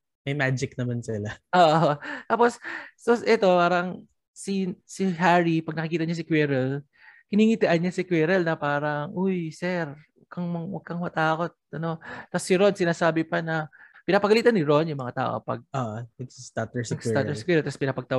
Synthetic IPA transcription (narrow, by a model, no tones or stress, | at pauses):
mɐjmaːd͡ʒɪk̚nɐmansɪlaʔoːʔot̪aːpo̞sːosʔɛt̪o̞paːɾɐŋ | sisɪɦaɹipɐɡnɐkɪkiːt̪ɐɲɐs̬ɪkwɛɾɛl | kɪniːŋit̪ɪʔɐnɲasɪkwɛɾɛlnɐpaːɾɐŋʔojsɛɾwɐɡ̚kɐŋmɐŋwɐɡ̚kɐŋmɐt̪aːko̞t̪̚ʔɐno̞t̪ɐsːɪɾo̞nsɪnaːsaːbɪpɐnɐpɪnaːpɐɡɐliːt̪ɐnɪɾo̞njʊŋmɐŋat̪a̰ːʔo̰pɐ̰ɡ̚ʔoːʔowɐksist̪at̪ɛsɐɡst̪ːat̪ɛskwɛɾɛlt̪ɐspɪnaːpɐɡ̚t̪ɐ